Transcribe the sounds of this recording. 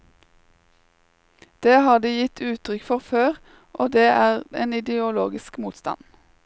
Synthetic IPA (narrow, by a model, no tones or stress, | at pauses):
d̪̥eːhɑːd̪iːjɪt̪ʰʉːt̪ʰʁʏkfɔʁføːʁ | ʔoːd̪eːʔæːʁḛːnɪd̪əʊloːɡɪskmuːt̪st̪ɑ̰n